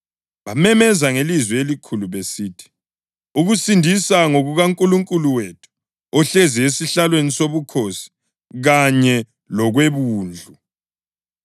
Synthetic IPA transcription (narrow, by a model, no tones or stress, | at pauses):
βamɛmɛzaŋelizwɛelikʰuluβesiːtʰi̥ | uɣusindʱisaŋoɣuɣaŋkʼuluŋkʼuluwetʰu̥ | ɔɬeziesiɬalwenisoβukʰosi̥ | ɣaɲɛ | lɔɣweβuːnd͡ɮʱu